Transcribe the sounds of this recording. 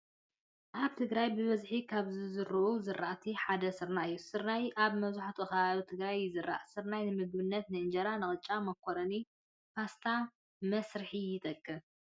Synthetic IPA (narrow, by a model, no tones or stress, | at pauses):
ʔaβt̪ʰɨɡɾajbɨβɐzħikʰaβzɨzɨɾɨʔuzɨɾaʔt̪ʰiħad̪ɐsɨɾnajːusɨɾnajʔaβmɐβzuħat̪ʰukɐβaβit̪ʰɨɡɾajzɨɾːa̰ʔsɨɾnajnɨmɨɡ̚bɨnːɐt̪nɨɨnd͡ʒɐɾanɨχʼɨt͡ʃʼamɐkʰːoɾɐni | fast̪ʰa | mɐsɾɨħijɪt̪ʼɐkʼːɨ